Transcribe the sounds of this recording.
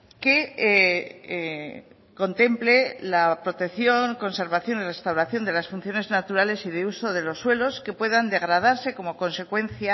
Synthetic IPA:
ke | ko̞nt̪e̞mple̞lapɾot̪e̞kθjo̞ŋko̞nse̞ɾβaθjo̞nire̞st̪awɾaθjo̞nd̪e̞lasfun̟θjo̞ne̞znat̪uɾale̞siðeuso̞ð̞e̞lo̞sːwe̞lo̞ske̞pwe̞ðand̪e̞ɣ̞ɾað̞aɾse̞ko̞mo̞ko̞nse̞kwe̞nθja

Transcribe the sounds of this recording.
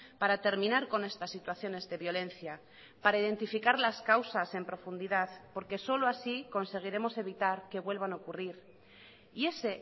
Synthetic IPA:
paɾat̪e̞ɾmĩnaɾko̞ne̞st̪asːit̪waθjo̞ne̞zðe̞βjo̞lẽ̞nθja | paɾaiðe̞nt̪ifikaɾlaskawsase̞mpɾo̞fund̪iðaðpo̞ɾke̞so̞loasiko̞nse̞ɣ̞iɾe̞mo̞se̞β̞it̪aɾke̞βwe̞lβ̞ano̞kuriɾ | ie̞se̞

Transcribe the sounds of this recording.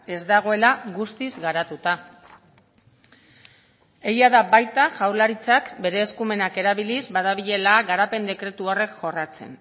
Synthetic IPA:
e̞zd̪aɣ̞o̞e̞laɣust̪izɣaɾat̪ut̪a | e̞jaðabajt̪aʝawlaɾit͡sakbe̞ɾe̞ːskume̞nake̞ɾaβilizbaðaβiʎe̞laːɣaɾape̞nd̪e̞kɾe̞t̪uore̞kʝo̞rat͡se̞̰n

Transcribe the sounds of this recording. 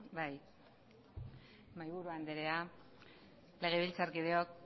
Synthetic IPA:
baj | majβuɾuand̪eɾe̞a | le̞ɣ̞e̞βilt͡saɾkið̞e̞ok̚

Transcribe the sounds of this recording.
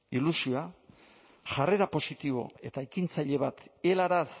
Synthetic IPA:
ilusioa | ʝare̞ɾapo̞sit̪iβ̞o̞̰e̞t̪aekint͡saʎe̞βat̪elaɾas

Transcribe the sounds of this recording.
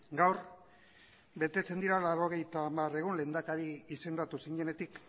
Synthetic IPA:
ɡawɾ | be̞t̪e̞t͡se̞nd̪iɾalaɾo̞ɣ̞e̞jt̪aːmare̞ɣ̞unle̞ːnd̪akaɾiise̞nd̪at̪usiɲe̞ne̞t̪ik

